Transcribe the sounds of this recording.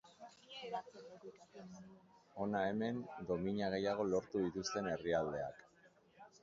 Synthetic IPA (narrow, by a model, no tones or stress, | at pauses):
o̞nae̞me̞nd̪o̞miɲaɣ̞e̞jaɣ̞o̞lo̞ɾt̪uðit̪ust̪e̞ne̞riald̪e̞a̰k